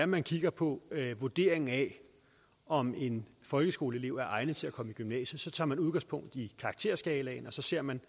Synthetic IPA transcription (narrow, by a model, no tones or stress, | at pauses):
æmænkʰiɡ̥ɐpʰɒ̽ʋoɐd̥e̝̰ɐ̰eŋŋ̩ɛ | ʔɒ̽me̝nfɒ̽lɡ̥əsɡ̥o̝ːləe̝le̝ʊ̰æɐʔɑ̈ɪnət͡sʰe̝lækʰɒ̽məiɡ̥ymnɛ̰ːɕəsɒ̽t͡sʰɑ̰̈ːmænuðˠɡɑ̈ŋspʰɔ̽ŋ̰d̥ikʰɑ̈ɡ̥̚t͡sʰe̝ɐ̰sɡ̥ɛːlɛ̰ɪnɒ̽sɒ̽se̝ɐ̰mæn